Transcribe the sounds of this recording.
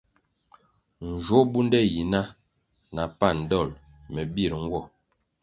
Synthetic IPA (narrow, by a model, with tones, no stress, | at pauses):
n̩˨d͡ʒwo˦bu˦n˦dɛ˦ji˨na˦ | na˨pa˦˨n̩˨dɔ˦˨l | mɛ˨bi˦˨ɾŋ̩˦ɡwɔ˦˨